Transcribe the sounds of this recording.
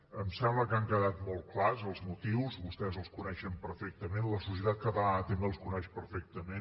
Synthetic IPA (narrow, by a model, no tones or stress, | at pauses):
əmsɛmləkaŋkəðat̪mɔlˠklazəlˠzmut̪iwzβust̪ɛzəlˠskunɛʃəmpəɾfɛk̚t̪əmenləsus̬iət̪at̪̚kəβat̪əmbeəlˠskunɛʃpəɾfɛk̚t̪əme